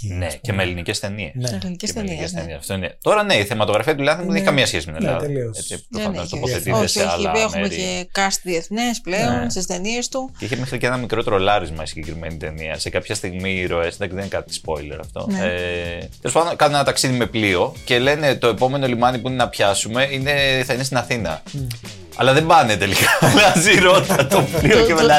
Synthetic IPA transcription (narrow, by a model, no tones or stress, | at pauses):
nece̞melinice̞st̪e̞nieslinieieseniesft̪oinet̪o̞ɾɐne̞iθemɐt̪oɣɾɐfiɐt̪ulɐnθinmuðeniçekɐmiɐsçesimenellɐ̰ðiet͡sipɾofɐnot̪opoθet̪it̪eseɐlɐexmuemeɾiekɐst̪ðieθnespleonst̪ist̪eniest̪uceiçemexɾiceenɐmikɾo̞t̪e̞ɾolɐɾizmɐisiɲɟekɾime̞nit̪e̞niɐ̰se̞kɐpçɐst̪iɣmiɾo̞esd̪ɐksiðenkɐt̪it̪i̥spo̞ile̞̰ɾɐ̰ft̪o̞̰net̪elosfɐðd̪okɐnunenɐt̪ɐksiðime̞plio̞ce̞le̞ne̞t̪o̞e̞po̞me̞no̞limɐnipuine̞nɐpçɐsume̞ine̞θɐinest̪inɐθinɐ̰ | ɐ̰lɐðe̞mbɐne̞t̪e̞likaɐziɾo̞t̪ɐt̪opliocemea